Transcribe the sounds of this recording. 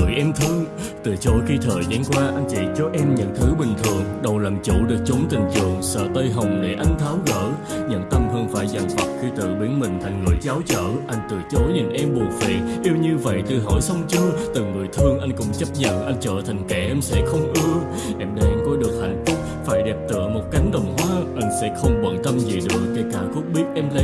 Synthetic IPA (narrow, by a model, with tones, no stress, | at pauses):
ɨ˧˩jʔɛ˧mt̪ʰɨ˧əŋ | t̪ɨ˨˩t͡ɕo˨˦jxi˧t̪ʰəː˨˩jzaː˨˦nkwaː˧ʔa˧jŋ̟t͡ɕḭ˧˨t͡ɕɔ˧˦ʔɛ˧mɲə̰˧˨nt̪ʰɨ˨˦ɓï˨˩ŋ̟t̪ʰɨ˨˩əŋɗə˨˩wlaː˨˩mt͡ɕu˧˥ɗɨ˨˩ək̚t͡ɕo˨˦nt̪ï˨˩ŋ̟zɨ̰˧˨əŋsə̰ː˧˨˩t̪ə˧jɦə˨˩wŋ͡mɗe˧˩ʔa˧jŋ̟t̪ʰaː˨˦wɣə̰ː˧˨ | ɲə̰˧˨nt̪ə˧mhəː˧nfa̰ː˧˩jza˨˩ŋfə˨˩t̚xi˧t̪ɨ̰˧˨ɓi˨˦ənmï˨˩ŋ̟t̪ʰa˨˩jŋ̟ŋɨ˨˩əjt͡ɕaː˨˦wt͡ɕə̰ː˧˨ʔa˧jŋ̟t̪ɨ˨˩t͡ɕo˨˦jɲi˨˩n̟ʔɛ˧mɓu˨˩ək̚fɛ̰˨˩ʔi˧əwɲɨ˧və̰˧˨jt̪ɨ˨˩ɦɔ˧˩jsə˧wŋ͡mt͡ɕɨ˧t̪ɨ˨˩ŋɨ˨˩əjt̪ʰɨ˧əŋʔa˧jŋ̟kʊ̰˧˥ŋ͡mt͡ɕə˦˥p̚ɲə̰˧˨nʔa˧jŋ̟t͡ɕə̰ː˧˨t̪ʰa˨˩jŋ̟kɛ˧˩ʔɛ˧msɛ̰˧˥xə˧wŋ͡mʔɨ˧ə | ʔɛ˧mɗe˧˩ʔɛ˧mkɔ˨˦ɗɨ˨˩ək̚ha̰˨˩jŋ̟fʊ˦˥k͡p̚faː˧˩jɗɛ˨˩p̚t̪ɨ̰˧˨əmo˨˩t̚ka˨˦jŋ̟ɗə˨˩wŋ͡mɦwaː˨˦ʔa˧jŋ̟sɛ̰˧˥xə˧wŋ͡mɓə̰˧˨˩nt̪ə˧mzi˨˩ɗɨ˨˩ək̚ːa˧˩kaː˧˩ku˦˥ək̚ɓi˦˥ət̚ʔɛ˧mlə˧